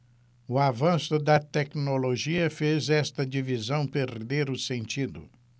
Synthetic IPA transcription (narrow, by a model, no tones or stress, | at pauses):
ʊavɐ̃sʊd̪ɐt̪ɛknoloʒiɐfezɛst̪ɐd͡ʒivizɐ̃w̃peɾd̪eɾʊsẽnt͡ʃid̪ʊ̰